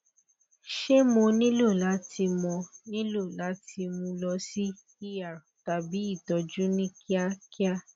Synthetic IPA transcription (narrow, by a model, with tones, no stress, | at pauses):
ʃe˦mo˧nĩ˦lo˦˨la˨˦tʰi˧mɔ̃˧nĩ˦lo˦˨la˨˦ti˧mũ˧lɔ˧si˦ | i˦ja˨ɾta˨bi˨˦i˦˨tɔ˧d͡ʒu˦nĩ˦ki˦a˦˧ki˦a˦